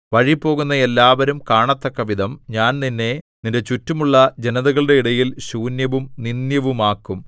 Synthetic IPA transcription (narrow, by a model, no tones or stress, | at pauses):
ʋɐɻipːo̞ːɣunːɐe̞lːaːʋɐɾumkaːɳɐt̪ːɐkːɐʋid̪ɐmɲaːnninːe̞ninde̞t͡ɕutːumuɭːɐd͡ʑe̞nɐðɐɣɐɭɨɽe̞iɽɐjilɕuːnjɐʋumninjɐʋumaːkːum